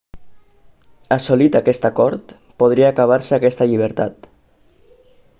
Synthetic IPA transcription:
asolit̪akɛst̪akɔɾt̪ | poð̞ɾiaːkaβ̞aɾsəakɛst̪əʎiβ̞əɾt̪a̰t̪

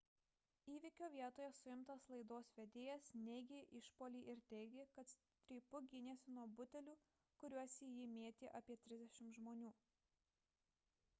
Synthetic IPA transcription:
iːʋʲɪkʲoːʋʲiɛt̪oːjɛsʊɪmt̪ɐslˠɐɪd̪oːsʋʲɛd̪ʲeːjɛsnʲɛɪɡʲeʔɪʃpoːlʲiːʔɪɾt̪ʲɛɪɡʲɪkɐt̪ | t̪ʲɾʲiːpʊɡʲɪnʲeːsʲɪnuɔbʊt̪ʲɛlʲuː | kʊɾʲuɔsʲiːjɪmʲeːt̪ʲiːʔɐpʲiɛt̪ʲɾʲɪzʲd̪ʲɛʃʲɪmt̪ʒmoːnʲuː

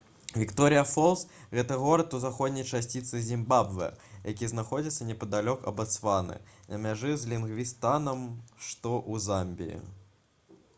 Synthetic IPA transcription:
vʲikt̪ɔɾɨjɐfɔlˠsɣʲɛt̪ɐɣɔɾɐt̪uzaxɔd̪ʲnʲɐjt͡ʂasʲt͡sʲit̪sɨzʲimbabvɨ̰jakʲiznaxɔd͡zʲit̪sːɐnʲɛpɐd̪alʲɔkɐ̰bɐt̪sfanɨ̰nɐmʲaʐɨzʲlʲinɣvʲist̪anɐmʂt̪ɔʔuzamʲbʲḭjḭ

